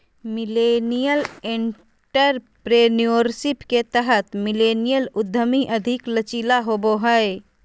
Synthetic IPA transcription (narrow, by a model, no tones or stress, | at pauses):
mɪlenijəleɳ | ʈəɾ | pɾeːnioɾsɪpket̪əɦət̪mɪleːnijəlʊd̪ʱːəmiʔəd̪ʱɪklət͡ʃiːlaɦoboɦəe